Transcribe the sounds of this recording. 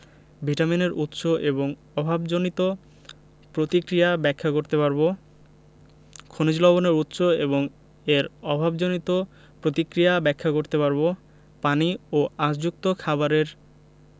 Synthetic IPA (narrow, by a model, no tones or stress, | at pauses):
bʱiʈamineɾut̪ːʃoʔeboŋ | ɔbʱabd͡ʑonit̪o | pɾot̪ikɾijabɛkʰːakoɾt̪epaɾbo | kʰonid͡ʑlɔβoneɾut̪ːʃoeβoŋ | eɾɔbʱabd͡ʑonit̪o | pɾot̪ikɾijabɛkʰːakoɾt̪epaɾbo | panioasd͡ʑuk̚t̪okʰaβaɾeɾ